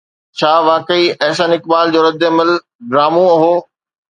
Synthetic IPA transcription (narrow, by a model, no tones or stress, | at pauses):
t͡ɕʰaːʋaːkəiɐːsənɪkbaːld͡ʑoːɾɐd̪ɪɐməl | ɖɾaːmũɐɦoː